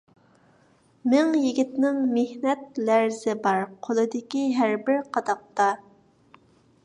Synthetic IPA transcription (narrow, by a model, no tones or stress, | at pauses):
mɪŋjiɡʲit̪nɪŋmehnɛt̪̚læɾzɪbɑɾqʰolˠɨd̪ɪkʲiɦæɾbɪɾqʰɑd̪ɑq̚t̪ɑ